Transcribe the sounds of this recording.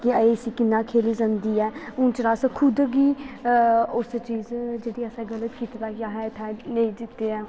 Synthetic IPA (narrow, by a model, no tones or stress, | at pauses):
kɪəeːsiːkɪnːãːkʰeːliːzãnd̪iːɛːʊ̃ːt͡ʃɾaːskʰʊd̪ɡiː | ʊst͡ʃiːzd͡ʒeːɽiːəsɛ̃ːɡələt̪kiːt̪d̪aːkjaːɦɛːɪt̪ʰãːnəĩːd̪ɪt̪ːeːɛː